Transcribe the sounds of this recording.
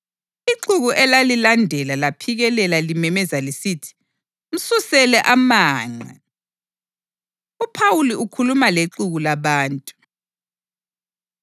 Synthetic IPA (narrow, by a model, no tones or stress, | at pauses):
iǃuɣuʔɛlalilandʱɛlalapʰiɣɛlɛlalimɛmɛzalisitʰi̥ | m̩susɛlɛʔamaːŋ͡ǀa̰ | upʰawuliukʰulumaleǃuɣulaβaːntʼu̥